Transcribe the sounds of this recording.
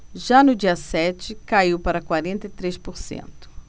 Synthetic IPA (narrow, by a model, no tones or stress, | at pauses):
ʒanʊd͡ʒiɐsɛt͡ʃɪkaiwpaɾɐkwaɾẽnt̪ɐit̪ɾespoɾsḛ̃nt̪ʊ̥